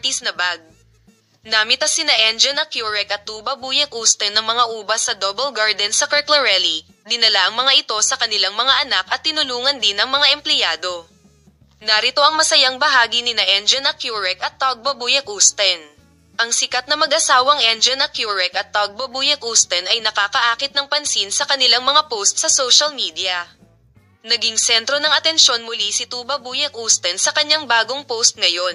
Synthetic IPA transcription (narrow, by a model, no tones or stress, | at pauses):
t̪isnɐbaɡ̚ | naːmɪt̪ɐsɪnɐʔɛnd͡ʒɛnɐkjuɹɛkɐt̪̚ːubɐbuːjɐkʔust̪ɛnːɐŋmɐŋaʔuːbɐsːɐd̪obɛlɡaɹd̪ɛnsɐkɐɹt̪lɛɹɛli | d̪ɪnɐlaʔɐŋmɐŋaʔɪt̪o̞sɐkɐnɪlaŋmɐŋaʔɐnakɐt̪ːɪnʊluːŋɐnd̪ɪnɐŋmɐŋaʔɛmplɛjaːd̪o̞ | nɐɾɪt̪o̞ʔɐŋmɐsɐjaŋbɐɦaːɡinɪnɐʔɛnd͡ʒɛnɐkjuɹɛkɐt̪ːawɐɡ̚bɐbujɐk̚ʔust̪ɛn | ʔɐŋsɪkat̪̚nɐmɐɡʔɐsaːwɐŋʔɛnd͡ʒɛnɐkjuɹɛkɐt̪̚ːaɡ̚bɐbujɐkʔust̪ɛnɐjnɐkaːkɐʔaːkɪt̪̚nɐŋpɐnsinsɐkɐnɪlaŋmɐŋapowst̪̚sɐso̞wʃɐlmiːd̪ijɐ | nɐɡiŋsɛnt̪ɾo̞nɐŋʔɐt̪ɛnʃjo̞nmʊlisɪt̪uːbɐbuːjɐkʔust̪ɛnsɐkɐɲːaŋbaːɡo̞ŋpowst̪̚ŋɐjo̞n